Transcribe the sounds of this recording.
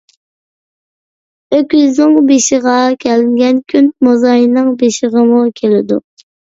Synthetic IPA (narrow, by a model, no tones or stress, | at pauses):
økʲyzʊŋbeʃɪʁɑkʲʰælɪŋɡʲɛnkʲʰynmozɑjnɨŋbeʃɪʁəmukʲʰelɪd̪ṵ